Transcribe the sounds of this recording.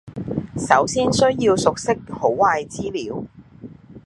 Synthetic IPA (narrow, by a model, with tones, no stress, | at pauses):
sɐ˨˥wsiː˥nsɵ˥ɥjiː˧wsʊ˨k̚sɪ˥k̚ho˨˥wwaː˧jt͡siː˥liː˨˥w